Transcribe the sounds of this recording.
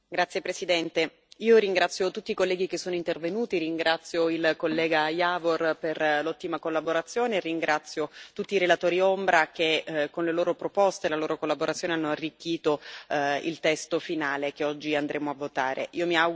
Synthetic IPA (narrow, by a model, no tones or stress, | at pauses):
ɡɾat̪sjepɾesid̪ɛnt̪e | iːoɾiŋɡɾat̪sːjot̪ut̪ːikolːɛːɡikesːoːnoint̪ervenuːt̪iɾiŋɡɾat̪sːjoilkolːɛːɡajavorperlɔt̪ːimakolːaboɾat̪sːjoːneriŋɡɾʔat̪sːjot̪ut̪ːiːɾelat̪oːɾiombɾakekːonleloːɾopɾopɔst̪elaloːɾokolːaboɾat̪sjoːneanːoarːikːiːt̪oḭlt̪ɛst̪ofinaːlek̟eɔd͡ʒːiand̪ɾeːmoavːot̪aːɾʔḛiːomia